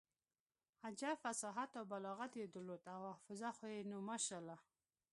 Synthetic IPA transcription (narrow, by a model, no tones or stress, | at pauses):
ad͡ʒafasɑɦat̪awbalɔɣat̪jed̪ʊlot̪awafʊzaxojenumaʃala